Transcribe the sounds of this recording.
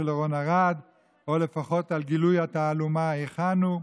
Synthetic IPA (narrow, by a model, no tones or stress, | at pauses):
elʁonaʁad̪ | ole̞faχo̞t̪alɡilujhataːlumaeχanu